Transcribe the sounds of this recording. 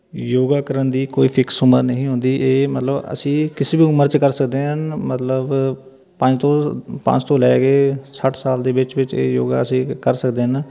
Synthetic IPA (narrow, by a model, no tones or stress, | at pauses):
joːɡaːkəɾənd̪iːkoːiːpʰɪksʊməɾnəɦĩːɦʊ̃ːnd̪iːʔeːmət̪ləbə̰sĩːkɪseːbiːʊməɾt͡ʃkəɾsəkd̪eːɦənmət̪ləb | pə̃ɲd͡ʒt̪õːpə̰̃ɲt͡ʃt̪õːlɛːɡeːsəʈʰsaːld̪eːʋɪt͡ʃʋɪt͡ʃḛːjo̰ːɡa̰ːəsĩːkəɾsəkd̪eːɦən